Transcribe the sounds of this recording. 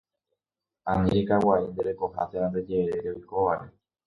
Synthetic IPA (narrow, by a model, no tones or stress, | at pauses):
anĩɾekawaind̪eɾe̞ko̞ha̰seɾand̪e̞d͡ʒe̞ɾeɾeo̞jko̞ʋaɾe̞